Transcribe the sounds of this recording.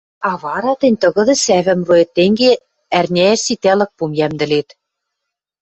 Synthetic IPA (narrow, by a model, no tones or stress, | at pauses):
ɑβɑɾɑt̪ɘ̆nʲt̪ɤ̆ɣɤ̆d̪ɤ̆sæβɘ̆mruet̪ːeŋɡe | ærnʲææsit̪ælɘ̆k̚pumjæmd̪ɘ̆let̪